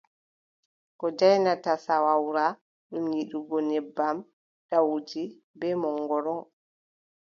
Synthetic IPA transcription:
kɔd͡ʒajnatasawawɾa | ɗumjiɗuɡɔnɛbːam | ɗawd͡ʒi | bɛmɔŋːɡɔɾɔŋ

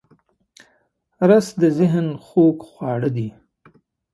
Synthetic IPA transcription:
ɾasd̪əzɪɦnxokxwɑɽəd̪i

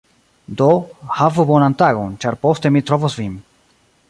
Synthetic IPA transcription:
d̪ohavubonant̪aɣunt͡ʃaɾpost̪ɛmit̪ɾɔvɔsvim

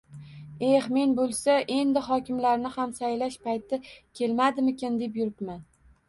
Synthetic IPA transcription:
e̞hme̞nbolˠsaʔe̞nd̪ɪɦɒkʲɪmlaɾnɪhamsajlaʃpajt̪ʰɪkʲʰe̞lmad̪ɪmɪkʲand̪e̞p̬jʊɾɪpman

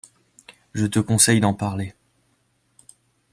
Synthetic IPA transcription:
ʒət̪əkɔ̃sɛjd̪ɑ̃paʁle

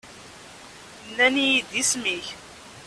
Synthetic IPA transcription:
nːænijid̪ismiç

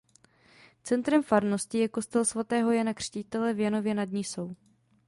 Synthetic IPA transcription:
t͡sɛnt̪ɾɛmfaɾno̞scɪjɛko̞st̪ɛlsvat̪ɛːɦo̞jɛnakr̝̥cit̪ɛlɛvjano̞vjɛnadɲiːso̞w

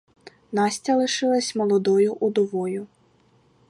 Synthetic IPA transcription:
nɑsʲt͡sʲɐlˠɪʃɪlˠɐsʲmɔlˠɔd̪ɔjʊʔud̪ɔʋɔjʊ

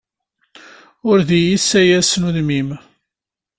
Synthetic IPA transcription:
ʊɾðijisæjæsnuðmim

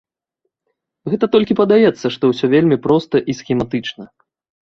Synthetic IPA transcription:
ɣɛt̪ɐt̪ɔlʲkʲipɐd̪ajɛt̪sːɐʂt̪ɔwsʲɔvʲelʲmʲipɾɔst̪ɐʔisxʲɛmat̪ɨt͡ʂnɐ

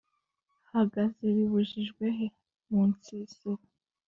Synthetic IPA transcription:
haɡaziβiβuʒiʒɡwe̞ɦe | muːnt͡siːsiɾa

